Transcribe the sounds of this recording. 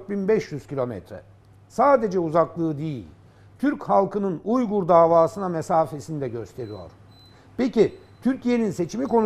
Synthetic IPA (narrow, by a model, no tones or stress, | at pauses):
binbɛʃjyz̥cilʲo̞mɛ̰t̪ɾɛ̰ | saːd̪e̞d͡ʒɛuzaklˠɯːd̪ijilʲ | t̪ʰyɾchalˠkɯnɯnujɡuɾd̪aːvaːsɯnamesaːfe̞sinid̪ɛɟø̞st̪ʰe̞ɾijo̞̰ɾ̥ | peci | t̪ʰyɾcʰije̞ninse̞t͡ʃʰimiko̞n